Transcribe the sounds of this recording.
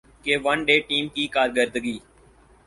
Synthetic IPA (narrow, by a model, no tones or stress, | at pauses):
keːʋənɖeːʈiːmkiːkaːɾɡəɾd̪ɡiː